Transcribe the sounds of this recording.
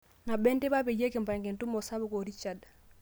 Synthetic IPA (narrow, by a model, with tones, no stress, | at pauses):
na˨be˦nti˦ba˦be˨je˦ki˨m˨pa˨ŋke˨ntu˦mo˨sa˦bu˦ko˨ɾi˦t͡ʃa˨d